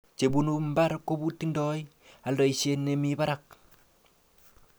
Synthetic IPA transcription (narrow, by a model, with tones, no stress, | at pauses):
t͡ʃe˨bunumba˦ɾko˦bu˦ti˦ndɔj | a˨lɾo˨iʃe˦nːemiba˦ɾak̚